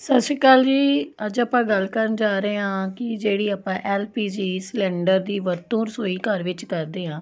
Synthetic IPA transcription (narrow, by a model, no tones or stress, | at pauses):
səʃikaːld͡ʒiːəd͡ʒaːpãːɡəlkəɾənd͡ʒaːɾeːãːkɪd͡ʒeːɽiːaːpãːʔɛːlpiːd͡ʒiːslɛ̃ːɳɖəɾd̪iːʋəɾt̪õːɾsoːiːkəɾʋɪt͡ʃkəɾd̪eːɦãː